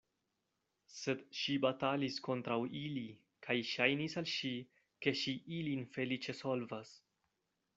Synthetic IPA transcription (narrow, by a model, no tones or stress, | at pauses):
se̞dʃibatalisko̞ntɾawili | kʰajʃajnisalʃi | ke̞ʃiʔilinfe̞lit͡ʃe̞so̞lvas